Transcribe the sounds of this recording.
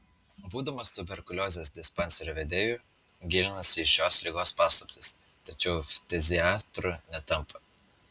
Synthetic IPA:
buːd̪ɐmɐst̪ʊbʲɛɾkʊlʲoːzʲeːsd̪ʲɪspɐnʲsʲɛɾʲoːʋʲɛd̪ʲeːjuˑ | ɡʲɪlʲɪnɐsʲɪʃʲoːslʲiːɡoːspɑːslˠɐpʲt̪ʲɪs | t̪ɐt͡ʃʲɛʊfʲt̪ʲɛzʲɪaːt̪ɾʊnʲɛt̪ɐmpɐ

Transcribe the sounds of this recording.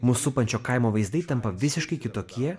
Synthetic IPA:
muːsʊpɐnʲt͡ʃʲoːkɐɪmoːʋɐɪzd̪ɐɪt̪ɐmpɐʋʲɪsʲɪʃkɐɪkʲɪt̪oːkʲiɛ

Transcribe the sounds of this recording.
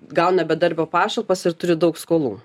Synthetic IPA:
ɡɐʊnʲɛbʲɛd̪ɐɾʲbʲoːpɑːʃɐlˠpɐsɪɾt̪ʊɾʲɪd̪ɐʊkskoːlˠṵː

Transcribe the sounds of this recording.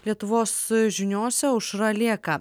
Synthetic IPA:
lʲiɛt̪ʊʋoːsʒʲɪnʲoːsʲɛʊʃɾɐlʲiɛkɐ

